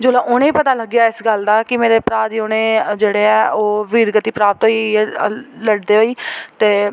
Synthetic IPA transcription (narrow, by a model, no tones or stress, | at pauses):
d͡ʒoːlaːʔʊnẽːpət̪aːləɡjaːɪsɡəld̪aːkɪmeːɾeːpɾaːd̪iːʊnẽːd͡ʒeːɽeːɛːʔoːʋiːɾɡət̪iːpɾaːp̚t̪ɦoi | ləɽd̪eːɦoːiːt̪eː